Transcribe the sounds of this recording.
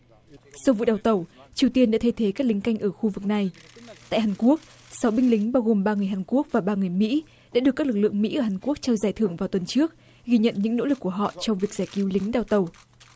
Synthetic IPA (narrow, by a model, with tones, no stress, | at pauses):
sɔ˧wvṵ˧˨ɗaː˨˩wt̪ə˨˩wt͡ɕi˨˩əwt̪i˧ənɗa̰ː˧˥t̪ʰə˧jt̪ʰe˨˦kaː˦˥k̚lï˨˦ŋ̟ka˧jŋ̟ʔəː˧˩xu˧vɨ˨˩k̚na˨˩jt̪a̰ː˧˨jɦaː˨˩nku˦˥ək̚ | sa˨˦wɓï˧ŋ̟lï˨˦ŋ̟ɓaː˧wɣo˨˩mɓaː˧ŋɨ˨˩əjɦaː˨˩nku˦˥ək̚vaː˨˩ɓaː˧ŋɨ˨˩əjmḭ˧˥ | ɗa̰ː˧˥ɗɨ˨˩k̚ːlɨ˨˩k̚lɨ̰˧˨ə˨ŋmḭ˧˥ʔəː˧˩haː˨˩nku˦˥ək̚t͡ɕɛ˧wzaː˨˩jt̪ʰɨ˧˩əŋvaː˨˩wt̪wə˨˩nt͡ɕɨ˦˥ək̚ | ɣiː˧ɲə̰˧˨nɲɨ̰˧˥ŋno̰˧˥lɨ˨˩kːu˧˩əɦɔ̰˧˨t͡ɕɔ˧wŋ͡mvi˨˩ək̚zaː˧˩ki˨˦wlï˨˦ŋ̟ɗaː˨˩wt̪ə˨˩w